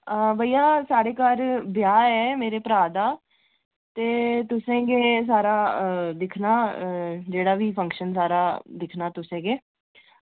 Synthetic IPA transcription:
əbʱəːiːaːsaːɽeːkaɾbɪjaːɛːmeːɾeːpəɾaːd̪aː | t̪eːt̪ʊsẽːɡeːs̬aːɾaːd̪ɪkʰnaːd͡ʒeːɽaːʋiːpʰə̃ŋkʃəns̬aːɾaːd̪ɪkʰnaːt̪ʊsẽːɡeː

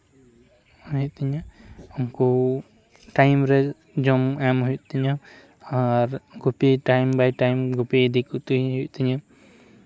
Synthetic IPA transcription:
ujut̪iɲauŋku | ʈajmɾɛ | d͡ʒɔmɛmɦujuʔt̪iɲa | aɾɡupiʈajmbajʈajmɡupiːd̪ikut̪uɦjuʔt̪iɲa

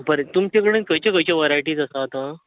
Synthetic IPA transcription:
bəɾet̪umt͡ɕekəɽə̃nkəjt͡ɕakəjt͡ɕaʋaɾajʈiːd͡zəsat̪ɦã

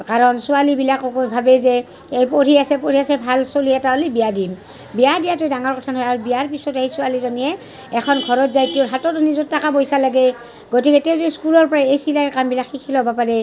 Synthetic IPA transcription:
kaɹɔnsʊalibilakkojbʱabɛzɛ | ejpoɹiasɛpoɹiasɛbʱalsoliɛtaolibijadim | bijadijatojdaŋɔɹkɔtʰanɦɔjaɹubiaɹpisɔtahisʊalizɔnijɛ | ɛkʰɔnɡʱɔɹɔtzajtiɔɹɦatɔtɔnizɔtːakabojsalaɡɛ | ɡotikɛtɛwtɛskulɔɹpɔɹaejsilakambilakhikʰilɔɦɔbapaɹɛ

